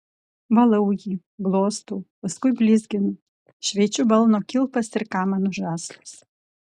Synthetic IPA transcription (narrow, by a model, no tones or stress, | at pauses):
vɐlˠɐwjʲi | blˠoːst̪uːpɐskʊjbʲlʲizʲɡʲɪn | ʃʋʲet͡ʃubɐlˠnokʲɪlˠpɐsɪrkaːmɐnuʒaːslʲˠus